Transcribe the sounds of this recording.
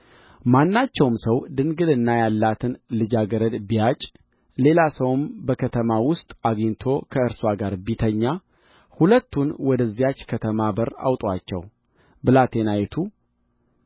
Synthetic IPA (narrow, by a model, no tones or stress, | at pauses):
manːat͡ʃːɛwmsəwd̪ɨŋɡɨd̪ɨnːajalːat̪ʰɨnlɨd͡ʒaɡəɾəd̪biat͡ʃʼ | le̞lasəwɨmbəkʰət̪ʰəmawʊst̪ʼaɡiɲt̪ʰo̞kʰəɨɾswaɡaɾbit̪ʰəɲːa | hulət̪ːunwɔd̪əzːijat͡ʃːkʰət̪ʰəmabəɾa̰wt̪ʼwat͡ʃːɛ̰w | bɨlat̪ʰenajɛt̪ʰu